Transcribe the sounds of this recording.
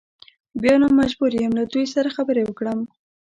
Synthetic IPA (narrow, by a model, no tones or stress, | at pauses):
bjɑnomːad͡ʒbuɾjəmlad̪ujsaɾaxabəɾewəkɽəm